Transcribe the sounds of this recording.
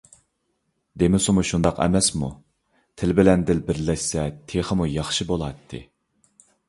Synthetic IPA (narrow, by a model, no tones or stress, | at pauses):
d̪emɪsumuʃund̪ɑqɛ̰mɛsmṵ | t̪ʰɪlbɪlɛnd̪ɪlbɪɾlɛʃsɛt̪ʰeχəmujɑχʃibolˠɑt̪ʰːɨ̰